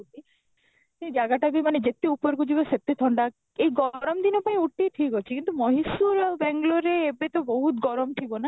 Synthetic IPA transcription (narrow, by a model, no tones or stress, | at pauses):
ti | sed͡ʒaɡaʈabimaned͡ʒet̪eupɔɾɡud͡ʒibeset̪et̪ʰɔɳɖa | ejɡɔɾɔmd̪inɔpaj̃uʈːiʈʰikɔt͡ʃʰikint̪umɔɦisuɾbɛŋɡloɾeːbet̪ɔboɦut̪ɡɔɾɔmʈʰibona